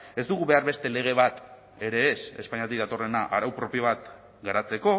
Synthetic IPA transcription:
e̞zd̪uɣuβe̞aɾβe̞st̪e̞le̞ɣ̞e̞β̞at̪ | e̞ɾe̞ːse̞spaɲat̪̬ikðat̪o̞re̞naʔaɾawpɾo̞pijoβ̞at̪ | ɡaɾat͡se̞ko̞

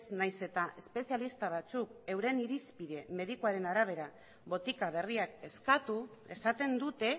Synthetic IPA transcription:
snajse̞t̪aʔe̞spe̞sijalist̪aβ̞at͡suke̞wɾe̞niɾispiðe̞me̞ð̞ikuaɾe̞naɾaβ̞e̞ɾa | βo̞t̪ikaβ̞e̞riake̞skat̪ue̞sat̪e̞nd̪ut̪e̞

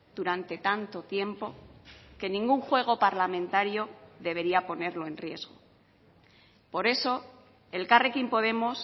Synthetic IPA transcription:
d̪̥uɾant̪e̞t̪ant̪o̞t̪je̞mpo̞ke̞nĩŋɡuŋxwe̞ɣ̞o̞paɾlamẽ̞nt̪aɾjoðe̞β̞e̞ɾiapo̞ne̞ɾlo̞e̞nrje̞̰zɣo̞̰ | po̞ɾe̞so̞ | e̞lkarekimpo̞ðe̞mos

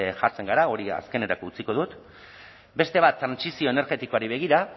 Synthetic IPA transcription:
ʝaɾt͡se̞ŋɡaɾao̞ɾia̰ske̞ne̞ɾako̞ut͡siko̞ð̞ut̪ | be̞st̪e̞β̞at̪ːɾansisio̞ene̞ɾɣe̞t̪iko̞aɾiβ̞e̞ɣ̞iɾa

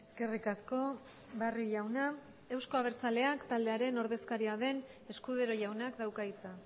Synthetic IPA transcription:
e̞ske̞rikasko̞ | bariʎawna | e̞wskoaβ̞e̞ɾt͡sale̞akt̪ald̪eaɾe̞no̞ɾð̞e̞skaɾiaðe̞ne̞skuð̞eɾo̞ʝawnakd̪awkait͡sa

